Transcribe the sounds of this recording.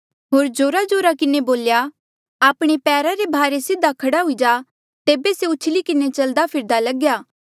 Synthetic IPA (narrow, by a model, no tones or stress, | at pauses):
ɦoːɾd͡ʒoːɾad͡ʒoːɾakɪneboːlja | aːpɽ̃epɛːɾaɾebʱaːɾesɪd̪ʱakʰɐɽaɦʊid͡ʒaː | t̪eːbeseʊːt͡ʃʰlikɪnet͡ʃɐld̪apʰɪɾd̪alɐɡjaː